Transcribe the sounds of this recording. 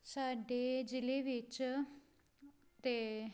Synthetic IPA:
saɖed͡ʑileʋit͡ʃ | t̪e

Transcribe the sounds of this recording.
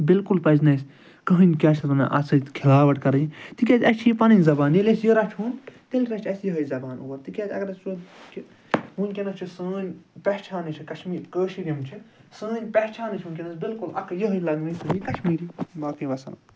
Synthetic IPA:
bɪlkulpɐznɐs | kɐɦɨnʲkʲaːt͡ʃʰɾɐnɐ̰ʔɐ̰sɐt̪kʰilaːʋɐʈkɐɾɐjit̪ikʲat͡sʲɐt͡ʃʰiːpɐnɐnʲzɐbaːnjelʲɐsjəɾɐt͡ʃʰɦuːnt̪elʲɾɐt͡ʃʰɐsjiɦɐjzɐbaːnoːɾt̪ikʲatʰʲɐ̰kɐɾɐst͡ʃok | ɦunʲkʲenɐst͡ʃʰisəːnʲpɛt͡ʃʰaːnit͡ʃʰikɐʃmiːɾkəːʃiɾʲɐmt͡ʃʰisəːnʲpʲɛht͡ʃʰaːnɨt͡ʃʰuːnʲkʲenɐsbilkulɐ̰kʰjəɦɐjlɐɡnɐst̪ɨnikɐʃmiːɾibaːkiʋɐsɐnɐ̰

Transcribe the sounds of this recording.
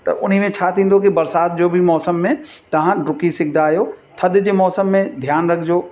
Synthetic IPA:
t̪ɐ̰ʔʊnɦimẽt͡ɕʰat̪ʰĩːnd̪okibɐɾsaːt̪̚d͡ʑoːbʱimɔːsəmːẽt̪ɐʋ̤ãɖʊkisɪk̚ʰd̪aːjoːt̪ʰɐd̪d͡ʑeːmɔːsəmːẽd̪ʱjaːnɾɐkʰd͡ʑoː

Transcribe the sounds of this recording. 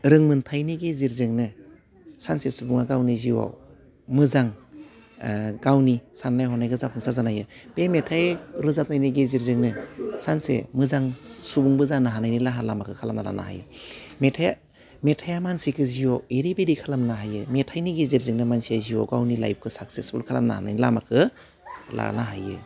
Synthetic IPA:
ɾɯŋmɯntʰajniɡeziɾzɯŋnɯ | sansesubuŋaɡawniziwa̰w | mɯzaŋ | ɡawnisanːajɦɔnajɡɯzapʰuŋsazanajɯpemetʰajɾɯzap̚najniɡeziɾzɯŋnɯsansḛmɯzaŋsubuŋbɯzanaɦanajnilaɦalamakʰɯkʰalamnala̰na̰ha̰jɯ̰metʰaja | metʰajamansikʰɯziwaweɾibeɾikʰalamnaɦajɯmetʰajniɡeziɾzɯŋnɯmansijaziwa̰wɡawnila̰jp̚kʰɯsak̚sesbṵlkʰala̰mna̰ha̰na̰jnilamakʰɯ | la̰naɦajɯ̰

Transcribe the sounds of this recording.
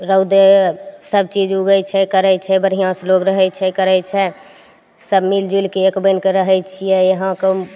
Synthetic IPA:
ɾəud̪esəb̚t͡ʃid͡ʒuɡəjt͡ʃʰɛkəɾɛt͡ʃʰɛbəɾɦijãsloɡɾəɦɛjt͡ʃʰɛkəɾɛt͡ʃʰɛ | səbmild͡ʒulkeekbənkeɾəɦɛjt͡ʃʰijɛjeɦãke

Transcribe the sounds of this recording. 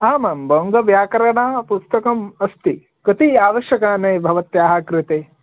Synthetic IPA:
aːmaːmbʱɐwŋɡɐʋjaːkɐɾɐɳaːpust̪ɐkɐmɐst̪i | kɐt̪iaːʋɐʃjɐkaːneːbʱɐʋɐt̪jaːɦɐkɾɪt̪eː

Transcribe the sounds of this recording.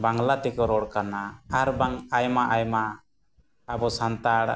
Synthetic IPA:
baŋlat̪ɛkɔɾɔɽkanaːɾbaŋajmaʔajma | abɔsant̪aɽ

